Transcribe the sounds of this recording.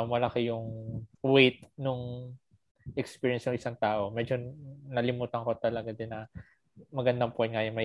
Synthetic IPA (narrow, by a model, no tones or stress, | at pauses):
mɐlɐkɪjʊŋwejt̪̚nʊŋ | ʔɛkspiːɹijɛnsnʊŋʔɪsaŋt̪aːʔo̞mɛd͡ʒo̞nɐlɪmuːt̪ɐŋkot̪ɐlɐɡɐd̪ɪnɐ | mɐɡɐnd̪ɐŋpʊɛnŋajʊnmɐ